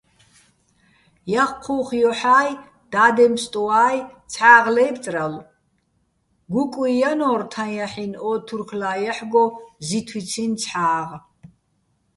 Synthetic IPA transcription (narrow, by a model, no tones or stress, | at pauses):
jaχqʰuχjɔħaːj | d̪̥aːd̪ɛmst̪ʼuaːjt͡sʰħaːʁlɛjpʰt͡sʼral | ɡukʼwijanɔːrt̪ʰanjaħinɔt̪ʰurkʰlaːjaħɡɔzit̪ʰwit͡sʰint͡sʰħaːʁ